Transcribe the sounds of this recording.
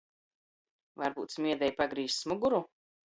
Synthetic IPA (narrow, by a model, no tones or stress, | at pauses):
vaɾbṵːt̪smʲiɛd̪ɛjpaɡɾiːssmuɡuɾu